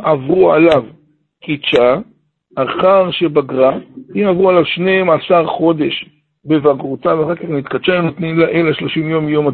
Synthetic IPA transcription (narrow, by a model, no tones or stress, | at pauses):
ʔavʁua̰lav | kit͡ʃaː | χaʁʃebaɡʁaimavʁualavʃneemasaʁχo̞d̪e̞ʃ | bevaɡʁutavaχakaχnit̪kat͡ʃaemnot̪nimlaʔelaʃlo̞ʃimjo̞mjo̞ma